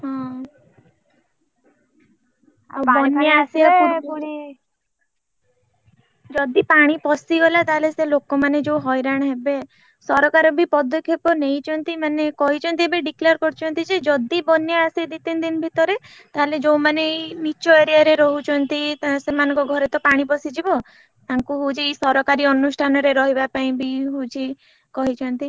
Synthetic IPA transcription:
ɦɔ̃ | bɔnjaasi | d͡ʒɔd̪ipaɽ̃ipɔsiɡɔlat̪aɦleselokɔmaned͡ʒowɦɔjɾaɽ̃aɦebe | sɔɾɔkaɾɔbʱipɔd̪ɔkʰjɔpɔnejt͡ʃʰɔnt̪imanekɔɦit͡ʃʰɔnt̪iebeɖikliɔɾkɔɾt͡ʃʰɔnt̪id͡ʒed͡ʒɔd̪ibɔnjaased̪it̪ind̪inbʱit̪ɔɾe | t̪aɦeled͡ʒowmanemit͡ʃɔeɾijaɾeɾɔɦut͡ʃʰɔnt̪it̪asemanɔ̃ŋkɔɡʱɔɾet̪ɔpaɽ̃ipɔsid͡ʒʱibɔ | t̪aŋkuɦud͡ʒisɔɾɔkaɾiɔnusʈʰanɔɾeɾɔɦibapaĩbiɦut͡ʃʰi | kɔɦit͡ʃʰɔnt̪i

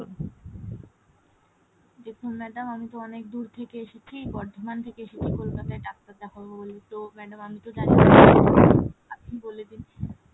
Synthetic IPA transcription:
dek̪ʰomɛd̪amamit̪oɔnek̚d̪uɾt̪ʰekeeʃet͡ɕʰibɔɾd̪ʱomant̪ʰekeeʃet͡ɕʰikolkat̪aeɖakt̪ad̪akʰobobolit̪omɛɖamamit̪od͡ʑania | aboled̪in

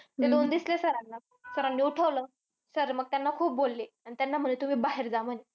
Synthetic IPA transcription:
t̪ed̪ond̪islesəɾanːa | səɾanːiuʈʰəʋləː | səɾməɡ̚t̪janːakʰuːp̚bolːeañit̪janːam̤ənet̪um̤iːbaɦeɾd͡zaməne

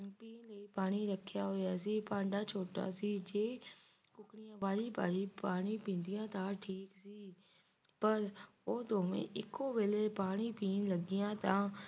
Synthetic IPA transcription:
piːnləiːpaːɽ̃iːɾəkʰːjaːɦoːjaːsiːpãːɳɖaːt͡ʃʰoːʈa̰ːsiːd͡ʒeːkʊkɳɪjãːʋaːliːpa̰ːliːpaːɽ̃iːpĩːnd̪ɪjãːt̪ãːʈʰiːksiː | pəɾ | oːd̪oːʋḛ̃ːʔɪkːoːʋeːleːpaːɽ̃iːpiːnləɡɪjãːt̪ãː

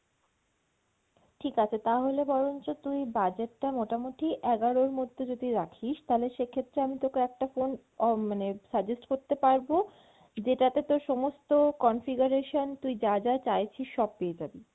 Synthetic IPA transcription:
ʈʰikat͡ɕʰet̪aɦolebɔɾont͡ɕot̪ujbad͡ʑeʈːamoʈamoʈiʔɛɡaɾoɾmod̪ʱːed͡ʑod̪iɾakʰiʃt̪aɦoleʃekʰet̪ːɾeamit̪okeɛk̚ʈafon | manesaɾd͡ʑesʈkoɾt̪epaɾbo | d͡ʑeʈat̪et̪oɾʃɔmost̪okɔnfiɡuɾeʃont̪ujd͡ʑad͡ʑat͡ɕajt͡ɕʰiʃʃɔb̚peed͡ʑabi

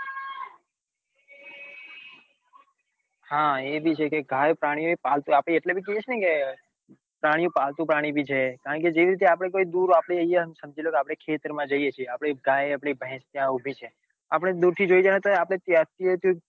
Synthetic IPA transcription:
hãebʱit͡ʃʰekeɡʱajpɾaɽ̃ijõepalt̪ũapɽeeʈlebʱikəet͡ʃʰnəike | pɾaɽ̃ijũpalt̪ũpɾaɽ̃ibʱit͡ʃʰekaəɳked͡ʒeʋiɾit̪̬eap̬ɽ̃ekoid̪uɾapɽ̃eəjaɦəmesəmd͡ʒʱilokeapɽ̃ekʰet̪əɾmãd͡ʒəijet͡ʃʰieapɽ̃iɡʱajapɽ̃ibʱɛ̃st̪jãubʱit͡ʃʰe | apəɽ̃ed̪uɾt̪ʰid͡ʒoid͡ʒanet̪oapɽ̃et̪jat̪iet̪jũ

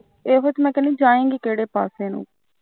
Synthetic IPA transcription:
eːɦot͡ʃmɛ̃ːkəniːd͡ʒaːẽːŋɡiːkeːɽeːpaːseːnṵ̃ː

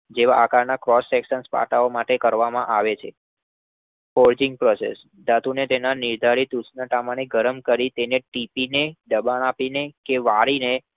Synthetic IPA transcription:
d͡ʒeʋaʔakaɾnakɾɔsːɛkʃənspa̰ʈaomaʈekəɾʋamã̰ʔaʋet͡ʃʰe | fɔɾd͡ʒɪŋɡ̚pɾɔsḛs | d̪at̪unet̪enanɪɾd̪ʱaɾit̪ut͡ʃnaʈamaneɡʱəɾəmkəɾit̪eneʈipineɖəbañapinekeʋaɾine

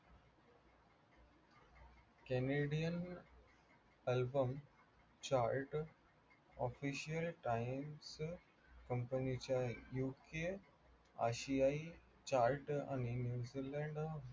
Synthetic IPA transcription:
keneɖijən | elbəm | t͡ɕaːɾʈ | ɔfiʃijəlʈaims | kəmpənit͡ɕjajuːke | a̰ʃiai | t͡ɕaːɾʈa̰ninjuːzilɛ̃ɳɖ

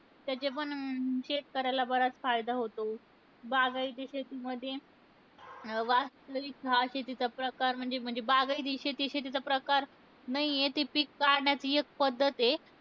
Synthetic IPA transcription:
t̪jat͡ɕepəɳɕet̪̚kəɾajlabəɾat͡sfajd̪aɦot̪o | baɡaid̪iɕet̪iməd̪ʱːje | ʋast̪ɾəʋikɦaɕet̪it͡sapɾəkaɾm̤əɳd͡zem̤əɳd͡zebaɡaid̪iɕet̪iɕet̪̬it͡sapɾəkaɾ | naɦiet̪ipikːaɾɳjat͡siek̚pəd̪ʱːət̪e

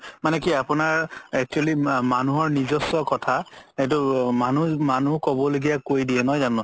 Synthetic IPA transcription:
manɛkiapʊnaɹɛk̚t͡ʃualimanuɦɔɹnizɔsːɔkɔtʰaet̬ʊmanumanukɔbɔloɡijakojdiɛnɔjzanʊ̃

